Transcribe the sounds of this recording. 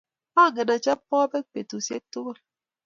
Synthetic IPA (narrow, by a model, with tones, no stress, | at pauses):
ma˦˨ɡe˨na˨t͡ʃa˦pɔ˦be˦k͡pe˨tu˨sje˦to˦ɣo˦l